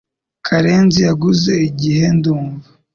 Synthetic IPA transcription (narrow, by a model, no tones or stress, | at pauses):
kʰaɾe̞ːnzijaɡuze̞iɟihe̞nduːɱva